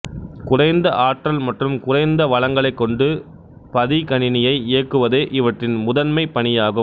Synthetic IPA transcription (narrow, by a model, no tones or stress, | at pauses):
kʊrɐɪnd̪ɐʔaːʈrɐlmɐʈrɯmkʊrɐɪnd̪ɐʋɐɭɐŋɡɐɭɐɪkːɔɳɖɯ | pɐðikɐnɪnɪjɐɪeːkːɯʋɐðeːʔɪʋɐʈrɪnmʊðɐnmɐɪpːɐɳɪjaːɣɯm